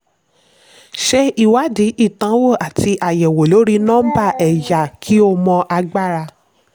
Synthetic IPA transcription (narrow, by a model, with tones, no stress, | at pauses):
ʃɛ˧i˦˨wa˨˦di˨˦i˦˨tã˨˦wo˦˨a˨ti˧ʔa˨jɛ˨wo˨lo˨˦ɾi˦nɔ̃ː˦ba˦˨ʔɛ˨ja˨kʰi˨˦o˧mɔ̃˧ʔa˧ɡ͡ba˦˨ɾa˧